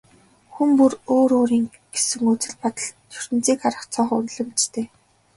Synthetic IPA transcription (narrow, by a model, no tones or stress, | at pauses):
xumpuroːɾoːɾiːŋ | ɡ̥esɘ̆ŋut͡sɘ̆ɮpɔt̪ə̆ɮt͡ɕʰɵ̥r̥t̪ɘ̆nt͡siːkaɾə̆χt͡sʰɔːχunɮɵ̆mt͡ɕt̪ʰeː